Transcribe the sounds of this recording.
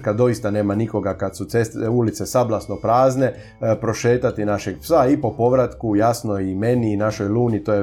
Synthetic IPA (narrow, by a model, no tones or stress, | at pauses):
kad̪o̞jist̪ane̞ːmaniko̞ɡakad̪sut̪sest̪ulit̪sesablˠasnopɾaːzne̞ | pɾo̞ʃe̞ːt̪at̪inaʃeɡpsaipo̞po̞ʋɾat̪kujasnoime̞niːnaʃo̞jluːnit̪oːje